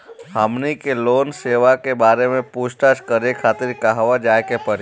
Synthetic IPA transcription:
ɦamnikelonseʋakebaɾemẽpuʃʈad͡ʒkəɾekʰat̪ɪɾkaɦʋad͡ʒajkepəɾ

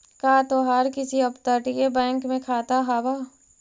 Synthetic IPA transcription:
kaːt̪oɦaːɾkɪsiɐpt̪əɾʈiebɛ̃ːŋkmẽkʰaːt̪aɦaːbaː

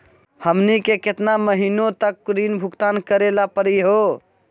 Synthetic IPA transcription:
həmnikeket̪naməɦinot̪əkːɾinbʱʊɡt̪ankəɾelapəɾiɦo

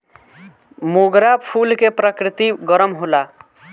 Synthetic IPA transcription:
moɡɾapʰulkepɾʌkɾit̪iɡʌɾʌmɦola

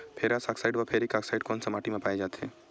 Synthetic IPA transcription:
pʰeːɾasaksaɪɖʋapʰeɾikaksaɪɖkonsɐmaːʈimẽpaːjed͡ʒaːt̪e

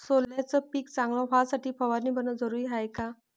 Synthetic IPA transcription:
soljat͡səpiːkt͡sãŋɡlɔ̃ʋasaʈʰiːpʰəʋaɾniːbʱənəd͡zəɾujɦajka

